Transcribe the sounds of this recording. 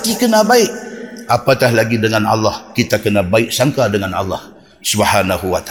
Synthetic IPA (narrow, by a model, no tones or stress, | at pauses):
t̪ikənabaɪk̚apat̪aɦlaɡidəŋana̰lːɑhkit̪akənabaɪk̚saŋkadəŋana̰lːɑ̰h | subhanaɦuwat̪a